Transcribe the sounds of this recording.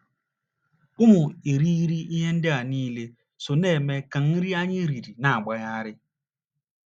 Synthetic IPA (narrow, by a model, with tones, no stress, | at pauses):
ʊ˦mʊ˨i˨ɾi˦ɾi˦i˦ɦe˦n̩˦dɪ˦a˨niː˦le˦ | so˨ne˦˨me˦ka˨n̩˦ɾi˦a˦ɲɪ˦ɾi˨ɾi˨na˨a˨ɡ͡ba˨ja˦ɾɪ˦